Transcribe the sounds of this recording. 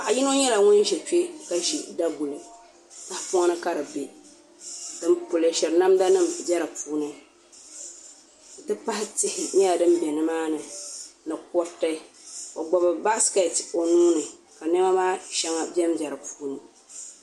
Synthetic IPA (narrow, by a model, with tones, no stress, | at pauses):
a˨ʔa˨ji˦no˦ɲɛ˦la˨ŋʊ˦nʒɛ˨t͡ʃe˦ka˦ʃi˨da˦ɡu˨lɨ˨ | ta˦hpʊ˦ŋa˦nɨ˦ka˦ɾɨ˨be˨ | d̥ɨ˦mpʊ˨lɨ˨ʃɛ˨ɾna˦mda˦nɨ˦˨m˨bɛ˦ɾɨ˨pʰuː˦nɨ˦˨ | tɨ˦pa˦hɪ˦tɪ˦hɪ˨ɲɛ˦la˨dɨ˦mbɛ˨nɨ˦maː˦nɨ˨nɨ˨kɔ˦ta˦i˦o˨ɡ͡bɔ˨bɨ˨ba˦ske˨to˨nuː˦nɨ˨ | ka˨nɛ˦ma˦maː˦ʃɛ˦ŋa˦bɛ˦md͡ʒɛ˨ɾɨ˨pu̥ː˨˦nɨ˨